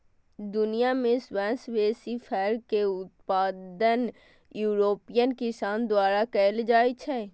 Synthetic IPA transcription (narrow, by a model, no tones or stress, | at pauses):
d̪ʊnijamẽswɛ̃ːsʋeːsifʰɛːɾkeʊt̪̚paːd̪ən | juːɾoːpijənkɪsaːnd̪waːɾakɛːld͡ʒaːit͡ʃʰɛː